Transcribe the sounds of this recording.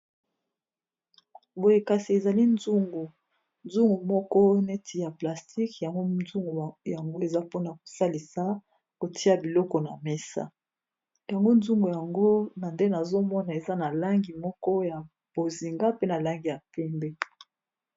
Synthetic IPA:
bo˨je˨ka˨si˨e˨za˨li˦nzu˦ŋɡu˨ | nzu˦ŋɡu˨mɔ˦kɔ˦ne˦tʰi˨ja˨pla˨sti˦kja˨ŋɡo˦zu˦ŋɡu˨ja˨ŋɡo˦e˨za˦po˦na˨ko̥˨sa˦li˨sa˨˦ | ko˨tʰi˦a˨bi˨lɔ˦kɔ˨na˨me˦sa̰˦ | ja˨ŋɡo˦nzu˦ŋɡu˨ja˨ŋɡo˦na˨nde˦na˨zo˦mɔ˦na˨e˨za˦na˨la˦ŋɡi˨mɔ˦kɔ˦ja˨ | b̥o˨zi˨ŋɡa˦pe˦na˨la˦ŋɡi˨ja˨pɛ˦mbe˦

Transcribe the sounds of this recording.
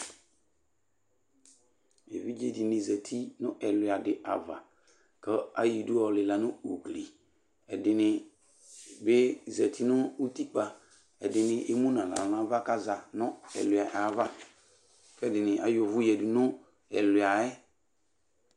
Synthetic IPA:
ḛ˨vi˦d͡ʒe˦dɪ˨nɪ̃˨zɛ˨tʰi˦nʊ̃˦ʔɛ˨lʊ˨a˨dɪ˨ʔa̰˨va̰˨ | kə˦a˦ji˨du˦ɔ˦˨lɪ˨la˨nʊ˦o˨ɡli˨ | ɛ˨dɪ˨nɪ˨ | bɪ˦zɛ˨tʰi˦nʊ˦u˦ti˦k͡pa˨ | ɛ̰˨dɪ˨nɪ˦ʔe˦mũ˦nã˨la̰˨lã˦va˦ka˦za˨nʊ˦ɛ̰˨lʊ˨a˨ʔa˨˦va˦ | kɛ˦dɪ˨nɪ̃˨ʔa˦jʊ˨vʊ˦jɛ˨dʊ˨nʊ˦ | ɛ̰˨lʊ˨a˨ɛ˦

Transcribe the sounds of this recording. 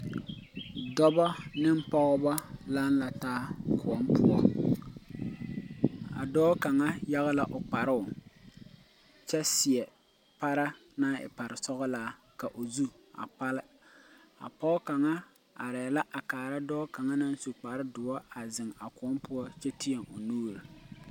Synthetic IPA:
dɔ˦bɔ˦nɪ˦m˦pɔ˦ʊ˦ba˦la˦nla˨taː˦ku˨ɔ˦mpʊ˦ɔ˦ | a̰˨dɔː˦ka˨ŋa˦ja˦ɣa˦la˨ʔo˨k͡pa˨ɾɪ˦ʊ˨ | t͡ʃɛ˦si˨ɛ˨ | pa˦ɾa˦ | na˦ɪ̰˨pa˨ɾɪ˨sɔ˦ɣɔ˦laː˦ | ka˨ʔo˨zu˦ | a̰˨k͡pa˦lɪ˦ | a̰˨pɔ˦ʊ˦ka˨ŋa˦ | a˨ɾɛː˨la˦ʔa˨kaː˨ɾa˦dɔː˦ka˨ŋa˦na˦n˦su˨k͡pa˨ɾɪ˦dʊ˨wɔ˦a˨zɪ˨ŋa˨ku˨ɔ˦mpʊ˦ɔ˦t͡ʃɛ˦ti˦jɛ˨ŋo˨nuː˦ɾɨ˨

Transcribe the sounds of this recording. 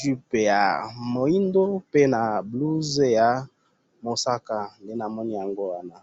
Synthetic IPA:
ʒi˦pe˨ja̰˨mo˨i˦ndo˦pe˦na˨blu˦ze˦ja˨ | mo˨sa˦ka˨nde˦na˨mɔ˦ni˦ja˨ŋɡo˦wa˦na˨

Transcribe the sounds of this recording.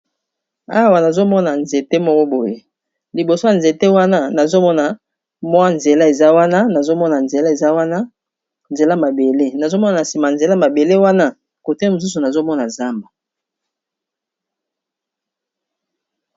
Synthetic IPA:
a˦˨wa˨na˨zo˦mɔ˦na˨nze˨te˦mɔ˦kɔ˦bo˨je˦ | li˨bo˨so˦ja˨nze˨te˦wa˦na˦na˨zo˦mɔ˦na˨ | mwa˦nze˨la˦e˨za˦wa˦na˦na˨zo˦mɔ˦na˨nze˨la˦e˨za˦wa˦na˦ | nze˨la˦ma˨be˨le˦na˨zo˦mɔ˦na˨na˨si˨ma˨nze˨la˦ma˨be˨le˦wa˦na˦ | ko˨tɛ˦˨mo˨s̬u˦s̬u˨na˨zo˦mɔ˦na˨za˦mba˨

